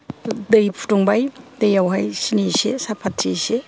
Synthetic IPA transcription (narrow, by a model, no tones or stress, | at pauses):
dɯjpʰu̥tuŋbajdejawɦajsinisesapʰatʰːise